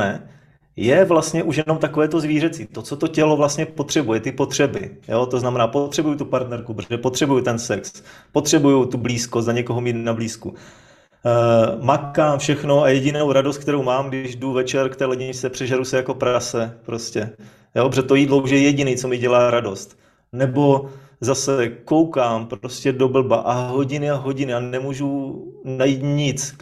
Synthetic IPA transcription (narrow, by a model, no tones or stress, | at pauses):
ɛ | jɛvlast̪ɲɛʔuʃjɛnomt̪ako̞vɛːt̪o̞zviːrɛt͡siːt̪o̞tt͡so̞t̪o̞cɛlo̞vlast̪ɲɛpo̞t̪r̥ɛbujɛt̪ɪpo̞t̪r̝̥ɛbɪjo̞t̪oznamɛnaːpot̪r̥ɛbujut̪upaɾt̪nɛɾkubɛpo̞t̪r̝̥ɛbujut̪ɛnsɛkspot̪r̝̥ɛbujut̪ubliːskoszaɲɛko̞ɦomiːt̪nabliːsku | makaːmfʃɛxnoajɛɟɪnowɾadost̪k̚t̪ɛɾo̞wmaːmɡdɪʒduvɛt͡ʃɛɾkt̪ɛːlɛɟɪɲɪt͡sɛpr̥ɛʒaɾusɛjako̞pɾasɛpɾo̞scɛ | joobrɛt̪o̞jiːd̪louʃjɛjɛɟɪniːt͡so̞mɪɟɛlaːɾado̞st̪ | nɛbo̞ | zasɛko̞wkaːmpɾo̞scɛdo̞bl̩baʔaɦoɟɪnɪaɦo̞ɟɪnɪanɛmuːʒunajiːt̪ɲɪt͡s